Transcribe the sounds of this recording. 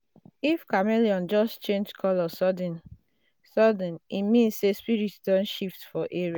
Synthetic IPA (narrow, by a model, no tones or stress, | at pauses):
ifkameliɔ̃nd͡ʒɔst͡ʃẽnd͡ʒkʰɔlɔsɔdĩn | sɔdĩnimĩnsːespiɹitdɔ̃nʃiftfɔʔeɹia